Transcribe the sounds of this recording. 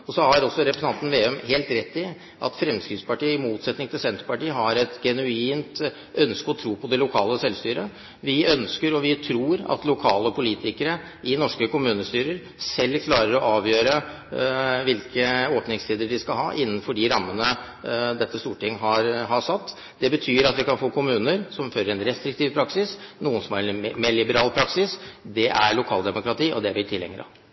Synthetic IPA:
ɔsɔhɑɾɔsːɔɾɛpɾəsnɑnt̪n̩ʋeːœmheːlt̪ɾɛt̪ːɪ | ʔɑ̰t̪fɾɛmskɾɪspɑʈiːəɪmuːt̪sɛt̪nɪŋt̪ʰɪlsɛnt̪ɾəpɑʈiːəɦɑɾɛt̪ɡɛnʉiːnt̪ | ʔœnskəɔt̪ʰɾuːpʰɔd̪ɛlʊkʰɑːləsɛlst̪yːɾə | ʋɪœnskəɾɔʋɪt̪ʰɾuːɾɑ̰t̪lʊkʰɑːləɔpʰʊliːt̪ɪkəɾə | ɪnɔʂkəkʊmʉːnəst̪yːɾəɾ | sɛlːkʰlɑːɾəɾɔʔɑːʋjøːɾə | ʋɪlkəoːpnɪŋst̪ʰiːd̪əɖɪskɑlɦɑ̰ːʔɪnːənfɔɖɪɾɑmːənə | d̪ɛt̪ʰːəst̪uːʈɪŋːɦɑɾɦɑʂɑt̪ː | d̪̥ɛbət̪ʰyːɾɑt̪ʋɪkɑnfoːkʰʊmʉːnəɾsɔmføːɾəɾɛnɾɛst̪ɾɪkt̪ʰiːʋpʰɾɑksɪsnuːənsɔmæɾmɛlɪbəɾɑːlpʰɾɑksɪsd̪ɛʔæɾɭʊkʰɑːld̪ɛmʊkɾɑt̪iːʔɔ̰d̪ɛʋɪt̪ʰɪlːɛ̰ŋːəɾɑ̰

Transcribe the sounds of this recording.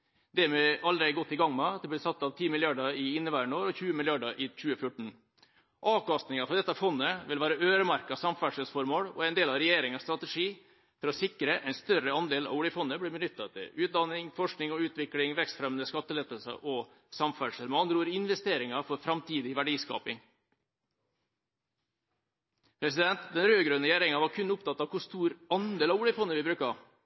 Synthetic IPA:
d̪ɛmɛɑld̪ɾɛɡɔt̪ːɪɡɑŋmɛɑd̪ɛblɪsɑt̪ːɑʋt̪ʰiːmɪlɪɑɖəɪɪnːəʋæɾəɳoːɾɔçʉːəmɪlɪjɑɖəʔɪt͡ɕʉːəfjʊʈːɳ̩ | ʔɑːʋkɑst̪nɪŋɑfɔɾd̪ɛt̪ːɑfɔnːəʋɪlʋæːɾəʔøːɾəmæɾkɑsɑmfæʂəsfɔɾmoːlɔ̰æɪnd̪eːlɑʋɾɛjeːɾɪŋɑst̪ɾɑt̪əʂiː | t̪ʰɪlɔsɪkɾəʔɛɪnst̪œɾəɑnd̪eːlɑ̰ʋuːlɪfɔnːəbliːbənʏt̪ːɑt̪ʰɪ̰lʉːt̪̚d̪ɑnːɪŋfɔʂknɪŋɔʉːt̪ʋɪklɪŋʋɛkst̪fɾɛmənəskɑt̪ːəleːt̪əlsə̰ʔɔ | sɑmfæʂəlmɑɑnɾuːɾɪnʋɛst̪eːɾɪŋɑfɔɾfɾɑmt̪ʰiːd̪ɪʋæɖiːskɑ̰ːpɪŋ | pʰɾɛsɪd̪ɛnt̪d̪ɛnɾøːɡɾʉnːəjæːɾɪŋɑʋɑɾkʰʉnːʊpt̪ɑt̪ːɑʋkʰʊst̪uːɾɑnd̪eːlɑːʋuːlɪfɔnːəʋɪbɾʉːkɑ

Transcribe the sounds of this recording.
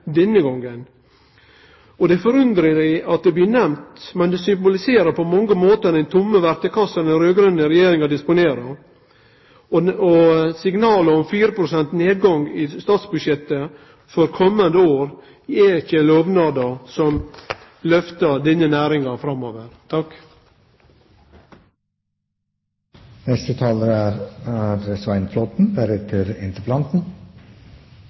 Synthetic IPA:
d̪ɛnːəɡɔŋːən | ɔd̪ɛfɔɾʉnd̪ɾəd̪ɪɪɑt̪̚d̪ɛbliːnɛmt̪mɛnd̪ɛsʏmbʊlɪseːɾəpʰɔmɔŋɡəmoːt̪əd̪ɛnt̪ʰʊmːəʋæɾt̪əkʰɑsɑɾɛnɾøːɡɾœnːəɾɛjeːɾɪŋɑd̪ɪspʊneːɾəɾ | ɔsɪɡnɑːləɔmfyːɾəpʰɾʊsɛnt̪neːd̪̚ɡɑŋɪst̪ɑːt̪sbʉdʂjɛt̪ːə | fɔɾkʰɔmːənd̪əoːɾ | ɛɪçəloːʋnɑːd̪ɑsɔm | lœft̪əd̪ɪnːənæːɾɪŋɑfɾɑmoːʋəɾt̪ʰɑk | nɛst̪ət̪ʰɑːləɾæɾɑd̪ɾəsʋæɪnfloːt̪n̩bæɾət̪ʰɪɾɪnt̪əpʰlɑnt̪n̩

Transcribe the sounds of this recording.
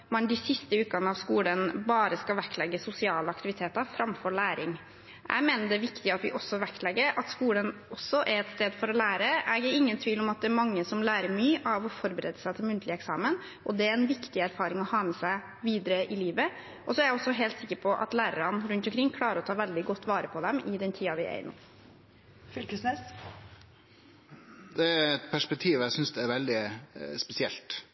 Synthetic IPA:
mɛnd̪ɪsɪst̪əʉːkɑnəɑʋskuːlənbɑːɾəskɑlʋæk̪lɛɡːəsʊsɪɑːləɑkt̪ɪʋɪt̪ʰeːt̪ɑɾfɾɑmfɔɾɭæːɾɪŋ | ʔæ̰ɡmeːnəɖɛʋɪkt̪ɪɑt̪ʋɪ̰ʔɔsːɔʋækt̪lɛɡːəʔɑt̪skuːlənɔsːɔʔɛɾɛt̪st̪eːd̪fɔɾɔlæːɾəɛɡæɾɪŋːənt̪ʰʋiːlɔmɑt̪̚d̪ɛæɾmɑŋːəsɔmlæːɾəɾmyːʔɑʋɔfɔɾbəɾɛd̪əsæɪt̪ʰɪlmʉnt̪ʰlɪəɛksɑ̰ːmən | ʔɔd̪ɛæɾɛnʋɪkt̪ɪæɾfɑːɾɪŋɔhɑːmɛsæɪ | ʋiːd̪əɾəʔɪliːʋə | ʔɔsɔɛɾjæɔsːɔɦeːlt̪sɪkːəɾpʰɔʔɑ̰t̪læːɾəɾɑnɾʉnt̪ɔmkʰɾɪŋkʰɽɑːɾəɾɔt̪ʰɑːʋɛld̪ɪɡɔt̪ːʋɑːɾəpʰɔd̪ɛmʔɪd̪ɛnt̪ʰiːɑʋɪɛ̰ɪnṵː | fʏlkəsnɛs | d̪̥ɛɾɛt̪pʰæʂpɛk̚t̪ʰiːʋæɪsʏnsd̪ɛæɾʋɛld̪ɪspɛsɪɛ̰lt̪

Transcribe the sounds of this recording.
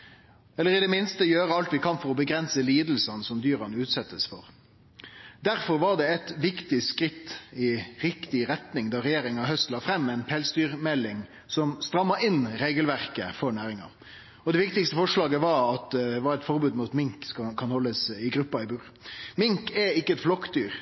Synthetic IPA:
ɛlːəɾɪd̪ɛmɪnst̪əjøːɾəɑlt̪ʋɪkʰɑnfɔɾɔbəɡɾɛnsəliːd̪l̩sɑnsɔmd̪yːɾɑnʉːt̪sɛt̪ːəsfɔɾ | d̪æɾfɔɾʋɑɾɖ̪ɛɛt̪ʋɪkt̪ɪskɾɪt̪ːɪɾɪkt̪ɪɾɛt̪nɪŋd̪ɑɾɛjeːɾɪŋɑɦœst̪lɑːfɾɛmːɛɪnpʰɛlst̪yːɾmɛlːɪŋ | sɔmst̪ɾɑmːɑɾɪnɾeːɡəlʋæʁkəfɔɳæːɾɪŋɑ̰ | ɔd̪ɛʋɪkt̪ɪkst̪əfɔʂlɑːɡəʋɑɾɑt̪̚d̪d̪ɛʋɑɾɛt̪fɔɾbʉːd̪muːt̪mɪŋksɑkʰɑnhɔlːəsɪɡɾʉpːɑɪbʉːɾ | mɪŋkɛɪkːəɛt̪flɔkːd̪yːɾ

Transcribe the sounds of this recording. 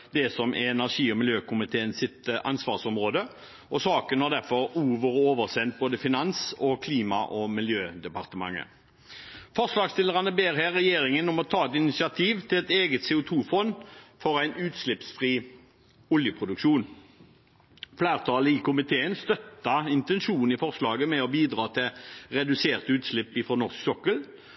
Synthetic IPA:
d̪ɛsɔmʔɛɛnæʁʂiːɔmɪljøːkʊmɪt̪ʰeːənsɪt̪ʔɑ̰nsʋɑːʁsɔmʁoːd̪ə | ɔsɑːkənhɑʁd̪æʁfɔɾuːʋəʁoːʋəʁsɛnt̪̚boːd̪əfɪnɑnsɔkʰliːmɑʔɔmɪljøːd̪ɛpɑʁt̪əmɑ̰ŋːə̰ | fɔʁslɑːɡst̪ɪlːəʁɑnəbeːʁɦæːʁɛjeːɾɪŋənɔmɔt̪ʰɑːɛt̪ɪnɪt̪sɪɑt̪ʰiːʋt̪ʰɪlɛt̪eːɡət̪seːʊt̪ʰuːfɔnfɔʁæɪnʉːt̪slɪpsfʁiː | ɔljəpʰʁʊd̪ʉkʃuːn | flæːʁt̪ʰɑːləɪkʊmɪt̪ʰeːənst̪œt̪ːɑɪnt̪ɛnʃuːnn̩ifɔʁslɑːɡəmɛɔbiːd̪ʁɑːt̪ʰɪlʁɛd̪ʉseːʁt̪əʉːt̪slɪpːɪfʁɔːnɔʁsksɔkəl

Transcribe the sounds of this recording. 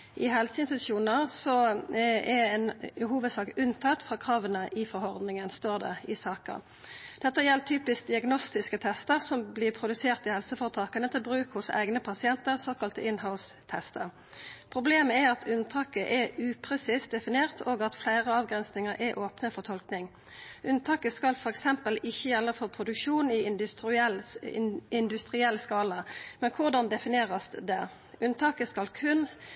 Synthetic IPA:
ʔɪɦɛlsəɪnst̪ʉ̥ʃjuːnəʁsɔ | ɛɛnhuːʋəd̪sɑːkʉnt̪ʰɑt̪ːfʁɑːkʰʁɑːʋənəʔɪfɔɾhɔʁd̪nɪŋənst̪oːʁd̪ɛ̰ɪsɑːkə̰ʁ | d̪̥ɛt̪ːəjɛlːt̪ʰyːpɪsk̚d̪ɪɑɡnɔst̪ɪskət̪ʰɛst̪əʁsɔmblɪːʁpʰʁʊd̪ʉseːʁt̪ɪhɛlsəfɔːʁt̪ʰɑːkənət̪ʰɪlbʁʉːkhʊsæ̰ɪɡnəpʰɑsɪɛnt̪əʁsoːkɑlt̪ɪnhaʊs | t̪ʰɛst̪əʁ | pʰʁʊbleːməɛʁɑt̪ʰʉnt̪ʰɑːkəʔɛʉːpʰʁɛsiːsd̪ɛfɪneːʁt̪ʰoːɡɑt̪flæɪʁəɑːʋɡʁɛnsnɪŋəɾʔɛʔoːpnəfɔʁt̪ʰɔlknɪŋ | ʔʉnt̪ʰɑːkəskɑlfɔʁɛksɛmpəlɪçːəjɛlːəfopʰʁʊd̪ʉkʂuːnɪɪ | ɪnd̪ʉst̪ʁɪɛlːskɑːləmɛnkʰʊʁd̪ɑnd̪ɛfɪneːʁəsd̪d̪ɛ | ʉnt̪ʰɑːkəskɑlkʰʉn

